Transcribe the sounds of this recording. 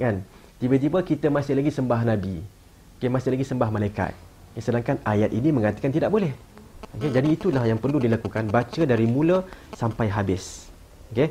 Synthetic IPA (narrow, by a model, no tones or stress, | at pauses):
ŋan | t̪ibət̪̬ibəkit̪əmãsɪhlaɡisəmbahnãbi | okemasɪhlaɡisəmbahmãlajka̰t̪̚ | okesədaŋkanajat̪ʔinĩmə̃ŋat̪ḁkant̪idaʔ̚bolɛh | oked͡ʒadiːt̪ulahjaŋpərludilakukanbat͡ʃədaɾimũlasampajɦabɪs | oke